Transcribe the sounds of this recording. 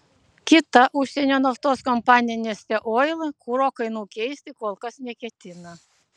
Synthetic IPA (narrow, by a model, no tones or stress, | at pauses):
kʲɪt̪ɐʔʊʃʲsʲɛnʲoːnɐft̪oːskɔmpɑːnʲɪɛnʲesʲt̪ʲɛʔoːjlˠkuɾoːkɐɪnuːkʲɛɪsʲt̪ʲɪkoːlˠkɐsnʲɛkʲɛt̪ʲɪnɐ